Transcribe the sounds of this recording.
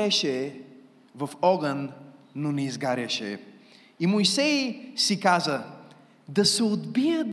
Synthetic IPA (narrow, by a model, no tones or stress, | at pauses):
ɛʃɛ | vɐfɔɡənː | onɛizɡaɾʲɐʃɛ̰ | imojsɛjsikazə | d̪ɐsɛod̪bijəd̪